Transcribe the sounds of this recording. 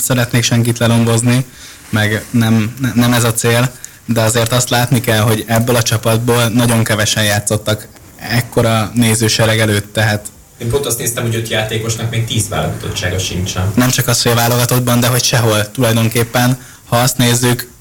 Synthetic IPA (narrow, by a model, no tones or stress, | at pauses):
sɛɾɛt̪neːkʃɛŋkit̪lɛlo̞ɱvo̞zni | mɛɡnɛmnɛmɛzɒt̪seːl | d̪ɛɒzeːrt̪ɒst̪laːt̪nikɛlɦo̞ɟɛbːøːlɒt͡ʃɒpɒd̪̚boːlnɒɟo̞ŋkɛvɛʃɛnjaːt̪so̞t̪ːɒk | ɛkːo̞ɾɒneːzøːʃɛɾɛɡɛløːt̪ːɛɦaːt̪ | eːmpont̪ɒst̪neːst̪ɛmho̞ɟø̞t̪jaːt̪eːko̞ʃnɒkmeːk̚t̪iːzʋa̰ːlo̰ɡɒt̪o̞̰t͡ʃːaːɡɒʃint͡ʃɛnnɛmt͡ʃɒkɒshojɒvaːlo̞ɡɒt̪o̞d̪̚bɒnd̪ɛɦo̞cʃɛɦo̞lt̪ulɒjd̪o̞ŋkeːpːɛn | hɒɒst̪neːzːyk